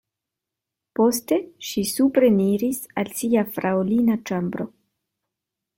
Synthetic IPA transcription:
po̞ste̞ʃisupɾeniɾisalsiafɾaolinat͡ʃambɾo̞̰

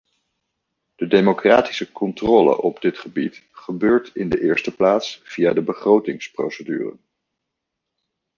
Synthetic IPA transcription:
d̥ədejmokraːti̥səkɔntrɔːlə̰ʔɔbdɪtχəbitχəbøːɹtɪndəʔɪːɹstəplaːtsfijadəbəχrowtɪŋspro̰wsədy̰ːrə̰n

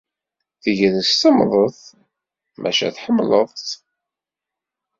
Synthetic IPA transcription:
θəʝəðəst̪əmðˤəθ | mʔæ̰ʃæ̰θħəmːləðˤt̪

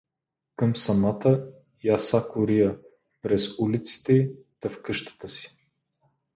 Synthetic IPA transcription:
kəmsɐmat̪ə | jasakʊɾijə | pɾɛzulit̪si̥t̪ɛi | t̪ɐfkɤʃt̪ə̥t̪əsi̥

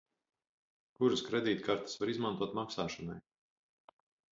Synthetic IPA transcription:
kuɾaskɾɛd̪iːt̪̚kaɾt̪ḁsvaɾizmant̪uɔt̪maksaːʃɔnaj

